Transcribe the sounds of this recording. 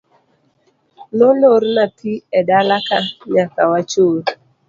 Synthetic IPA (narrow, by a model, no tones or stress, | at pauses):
noloɾnatʰiɛdalakaɲakawat͡ʃoɾ